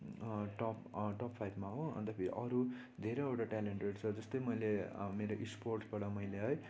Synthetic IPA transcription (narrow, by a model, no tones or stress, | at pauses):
ʈɔpʈʌpʰajbʱmaɦoʌ̰nt̪ʌpʰiɾḭʔʌɾu | d̪ʱeɾʌjewʈaʈaleɳʈeɖt͡sʰʌd͡zʌst̪ʌjmʌjlemeɾoʔisporʈbaɽʌmʌjleɦʌj